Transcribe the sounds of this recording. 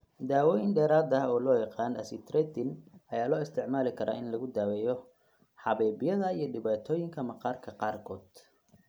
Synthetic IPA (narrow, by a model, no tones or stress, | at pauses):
d̪aːwɔːjɪnɖɛːɾaːd̪ɐɔːlɔːjɑqɑːnɐsɪt̪ɾɛt̪ɪnɐjaːlɔːɪst̪ʰɪʕmaːlɪkʰɐɾʔa̰ːɪnlɐɣʊd̪aːwɛːjɔ | ħɑβɛːbɪjɐðɐijɞɖɪβaːt̪ʰɔːjɪŋkʰɐmɐqɑːrkʰɐqɑːrkʰɔːd̪̥